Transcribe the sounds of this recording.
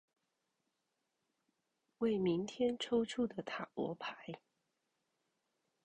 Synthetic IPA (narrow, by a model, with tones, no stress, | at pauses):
we˥˨˩ɪmi˧˦ŋt̪ʰjɛ˦nʈ͡ʂʰo˥ʊʈ͡ʂʰu˥˩d̪ə˨t̪ʰa˨˩wɔ̰˧˥pʰa˨˧˦ɪ